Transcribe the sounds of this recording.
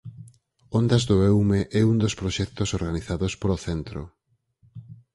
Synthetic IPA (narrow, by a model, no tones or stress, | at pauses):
ond̪azðoɛwmeʔɛund̪ospɾoʃɛkt̪osoɾɣaniθaðospoɾoθɛnt̪ɾo̰